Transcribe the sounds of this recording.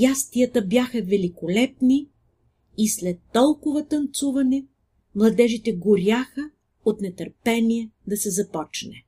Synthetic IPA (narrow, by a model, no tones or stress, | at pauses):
jast̪ijət̪əbjaxɐvɛlikolɛpni | islɛt̪ːɔlˠkʊvɐt̪ɐnt̪suvɐnɛ | mlˠɐd̪ɛʒit̪ɛɡʊɾʲjaxə | ot̪nɛt̪ɐɾpɛniɛd̪ɐsɛzɐpɔt͡ʃnɛ